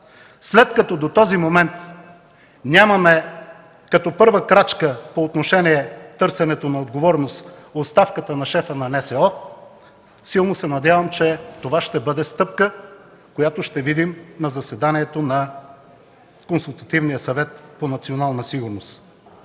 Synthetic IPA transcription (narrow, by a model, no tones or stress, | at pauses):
slɛt̪kɐt̪ɔd̪ot̪ɔzimomɛnt̪ | nʲamɐmɛ | kɐt̪ɔpɤɾvəkɾat͡ʃkəpoːt̪noʃɛniɛt̪ɤɾsɛnɛt̪onɐod̪ɡovɔɾnosot̪st̪afkət̪ənɐʃɛfənɐnɛsɛɔ | silˠnosɛnɐd̪javəmt͡ʃɛt̪ovaʃt̪ɛbɤd̪ɛst̪ɤp̚kə | kojat̪oʃt̪ɛvid̪imnɐzɐsɛd̪aniɛt̪onɐ | konsulˠt̪ɐt̪ivnijəsɐvɛt̪ponɐt̪sionalˠnɐsiɡʊɾnos